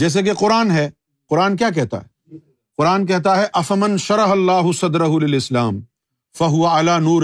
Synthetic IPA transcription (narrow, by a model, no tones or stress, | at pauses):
d͡ʒɛːs̬ek̬eqʊɾaːnɦɛː | qʊɾaːnk̬jaːk̬ɛɦt̪a̰ɦɛ | qʊɾaːnk̬ɛɦt̪aɦɛʔɐfɐmɐ̃nʃɐɾɐɦɐlːaːɦʊsɐd̪ɾɐɦʊlɪlɪslaːm | fɐɦʊʋɐʕalaːnuːɾ